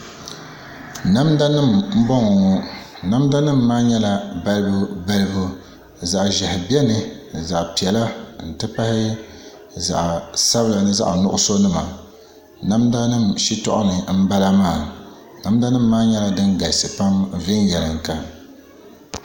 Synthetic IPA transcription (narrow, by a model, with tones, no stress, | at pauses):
na˦mda˦nɨ˦˨mm̩˦bɔ˦ŋɔ˨ŋɔ˨ | na˦mda˦nɨ˦mːaː˦ɲɛ˦la˨ba˦lɨ˦bu˦ba˦lɨ˦bu˦ | za˨ʔʒɛ˨hɪ˨bi˦ɛ˦nɨ˨ | za˨ʔpi˨ɛ˨la˦n̩˨tɨ˦pa˦hɪ˦ | za̰˨ʔsa˦bla˨nɨ˦za̰˦ʔnʊ˦ʔʊ˦so˦nɨ˦ma̰˨ | na˦mda˦nɨ˦˨mʃi˦tɔ̰˦ʔʊ̰˦nɨ˨m̩˦ba˦la˦maː˦˨ | na˦mda˦nɨ˦mːaː˦ɲɛ˦la˦dɨ˦nɡa˨lsɨ˨pa˦m˨vɪ˦njɛ˨lɨ˨ŋ˨ka˦